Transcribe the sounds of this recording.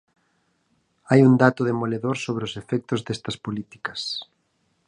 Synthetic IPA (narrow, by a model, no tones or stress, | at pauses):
ajund̪at̪ʊðemoleðoɾsoβɾeosefɛk̚t̪ʊzðɛst̪ɐspolit̪i̥kɐs